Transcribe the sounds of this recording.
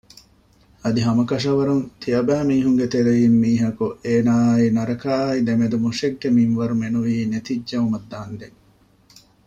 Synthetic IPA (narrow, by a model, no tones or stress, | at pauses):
ɐd̪iɦɐmɐkɐʂ̬ɐʋɐɾunt̪ʰiɐbæːmiːɦuŋɡet̪eɾejimːiːɦɐkuʔeːnaːinɐɾɐkaːid̪emed̪umuʂeɡːeminʋɐɾumenuʋiːnet̪iɟd͡ʒɐumɐd̪ːaːnd̪eŋ